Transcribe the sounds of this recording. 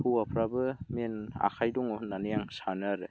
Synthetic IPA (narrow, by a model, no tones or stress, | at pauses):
huapʰɾabɯmina̰kʰajdɔŋɔnːanijaŋsanaɾɯ